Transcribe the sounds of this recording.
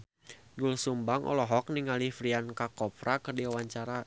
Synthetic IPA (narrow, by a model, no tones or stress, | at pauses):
ɡulsumbaŋʔɔ̰lɔɦɔk̚niŋalifɾiankakɔpɾakɨrdiawaɲt͡ʃaɾa